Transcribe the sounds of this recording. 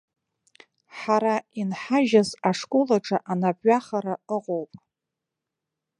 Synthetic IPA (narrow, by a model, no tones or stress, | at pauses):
ħaɾainħaʒazaʂkʼolaʈ͡ʂʼaʔanabʼɥaχaɾaəqʼowpʼ